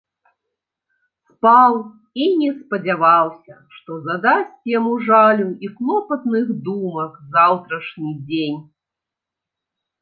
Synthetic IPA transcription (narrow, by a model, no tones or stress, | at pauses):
spaw | inʲɛspɐd͡zʲavawsʲɐ | ʂt̪ɔzad̪asʲt͡sʲjamuʐalʲuiklˠɔpɐt̪nɨɣd̪umɐkzawt̪ɾɐʂnʲid͡zʲenʲ